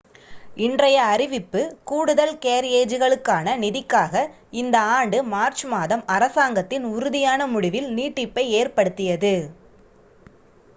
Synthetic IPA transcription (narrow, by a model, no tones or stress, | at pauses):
ɪndrɐjɐːɾɪʋɪpːɯkuːɽɯðɐlkeːɾeːd͡ʒɯɣɐɭɯkːaːnɐnɪðɪkːaːɣɐ | ɪnd̪ɐaːɳɖɯmaːɾt͡ʃmaːðɐmɐɾɐsaːŋɡɐt̪ːɪnʊɾʊðɪjaːnɐmʊɽɪʋɪlniːʈːɪpːɐɪeːrpɐɽɯt̪ːɪjɐðɯ